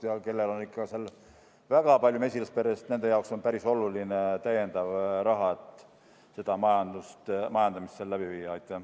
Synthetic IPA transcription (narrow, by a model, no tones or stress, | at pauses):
jɑke̞lːelonikːˑɑsel | væɡ̥ɑpɑlʲjume̞sʲilespeɾest̪ne̞nd̪e̞jɑokso̞npæɾiso̞lulinet̪æje̞nd̪̥ɑvrɑɦɑet̪ːˑ | se̞d̪̥ɑmɑjɑnd̪̥ust̪mɑjɑnd̪̥ɑmisːellæb̥ivijːɑɑjt̪ːˑæh